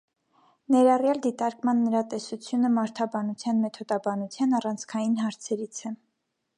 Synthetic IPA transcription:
nɛɾɑrjɑld̪it̪ɑɾkmɑnːəɾɑt̪ɛsut͡sʰjunəmɑɾt̪ʰɑbɑnut͡sʰjɑnmɛt̪ʰɔd̪ɑbɑnut͡sʰjɑnɑrɑnt͡sʰkʰɑjinɦɑɾt͡sʰɛɾit͡sʰɛ

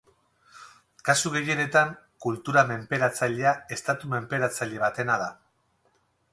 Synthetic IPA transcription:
kasuɣe̞je̞ne̞t̪aŋkult̪uɾame̞mpe̞ɾat͡saʎeae̞st̪at̪ume̞mpe̞ɾat͡saʎe̞β̞at̪e̞naða

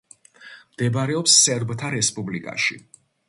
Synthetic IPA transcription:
md̪̥ɛbaɾɛɔpsːɛɾbt̪ʰaɾɛspʼublikʼa̰ʃḭ

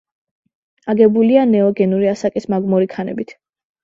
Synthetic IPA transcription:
aɡɛbulianɛɔɡɛnuɾiasakʼismaɡmɔɾikʰanɛ̰bit̪ʰ

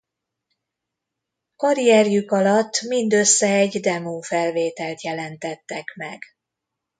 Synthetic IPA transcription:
kɒɾijɛrjykɒlɒt̪ːmind̪ø̞sːɛɛɟd̪ɛmoːfɛlveːt̪ɛlt̪jɛlɛnt̪ɛt̪ːɛkmɛɡ̥

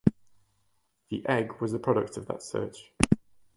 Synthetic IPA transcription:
ðiʔɛɡwɒzəpʰɹ̥ɒɾək̚tʰəvðə̰tsɜ̰ˑt͡ʃ

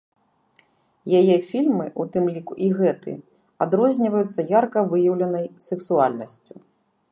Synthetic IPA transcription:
jajɛfʲilʲmɨʔut̪ɨmlʲikuʔiɣɛt̪ɨ̰ | ad̪ɾɔzʲnʲivɐjut̪sːɐjarkɐvɨjɐwlʲɐnɐjsɛksualʲnɐsʲt͡sʲi

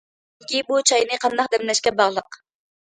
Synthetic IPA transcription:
ɪkʲibut͡ʃʰɑjnɨqʰɑnd̪ɑq̚d̪ɛmlɛʃkʲɛbɑʁlˠəq

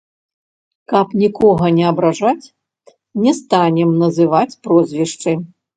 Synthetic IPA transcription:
kɐpnʲikɔɣɐnʲɛɐbɾaʐat͡sʲ | nʲɛst̪anʲɛmnɐzɨvat͡sʲpɾɔzʲvʲɛʂt͡ʂɨj

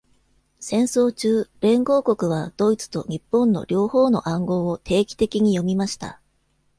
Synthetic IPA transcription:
sẽ̞ɰ̃so̞ːt͡ɕɨːɾẽ̞ŋɡo̞ːko̞kɯ̟βad̪̥o̞it͡sɨ̥t̪o̞̰ɲ̟ipːõ̞nːo̞̰ɾʲo̞ːho̞ːno̞̰ʔãŋɡo̞ːot̪ʰe̞ːkʲi̥t̪e̞kʲiɲ̟ijo̞mʲimaɕi̥t̪a̰

